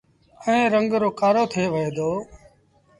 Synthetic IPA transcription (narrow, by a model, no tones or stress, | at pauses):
əẽːɾəŋɡɾoːkaːɾoːt̪ʰeːʋəeːd̪oː